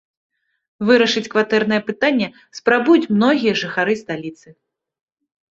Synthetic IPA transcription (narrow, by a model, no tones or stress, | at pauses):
vɨɾɐʂɨt͡sʲkvat̪ɛrnɐjɐpɨt̪anʲːɐ | spɾabujut͡sʲmnɔɣʲijɐʐɨxaɾɨst̪alʲit̪sɨ